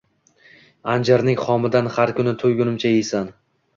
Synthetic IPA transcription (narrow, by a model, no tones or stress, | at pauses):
and͡ʒaɾnɪŋχɒmɪd̪anhaɾkʰʊnɪt̪ʰɵjɡʲʊnɪmt͡ʃʰajejsan